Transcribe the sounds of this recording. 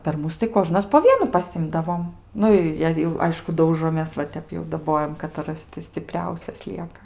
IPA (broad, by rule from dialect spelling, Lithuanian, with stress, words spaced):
pʲɛr ˈmʊs tɐɪ ˈkoːʒnɐs poː ˈʋʲiɛnʊ pɐˈsʲɪmdɐʋoːm ˈnʊ ɪ jɛɪ jɛʊ ˈɐɪʃkʊ ˈdɐʊʒoːmʲeːs ʋɐ ˈtʲɛp jɛʊ dɐˈboːjɛm kɐtɐˈrɐs tʲɪ sʲt͡sʲɪˈpʲrʲɛʊsʲɛs ˈlʲiɛkɐ